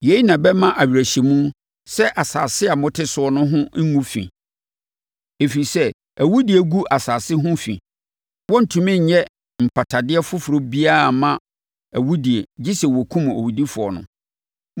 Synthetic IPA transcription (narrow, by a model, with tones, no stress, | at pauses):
je˨˦i˦nã˨bɛ˦mã˦ʔa˨ɥɾæ˨ɕi˨mũ˦ | sɛ˦ʔa˨saː˨sɪ˦a˨mʊ̃˦tʰɪ˦sʊ˨ɔ˦nʊ̃˦ɦʊ̃˦ŋũ˦fḭ̃˨ | e˨fi˨ɾi˨sɛ˦ | æ˨wu˦di˨e˨ɡu˦ʔa˨saː˨sɪ˦ɦʊ̃˦fḭ̃˨ | wɔ˦n̩˨tʰũ˨mɪ̃˦˨ɲɛ˦ | m̩˨pʰa˨tʰa˨dɪ˦ɛ˦fʊ˦fʊ˨ɾo˦bi˦a˦a˨mã˦ | æ˨wu˦di˨e˨d͡ʑi˦sɛ˨wɔ˨kʰũ˦m˨o̰˨wu˨di˦fʊ˨ɔ̰˨nʊ̰̃˨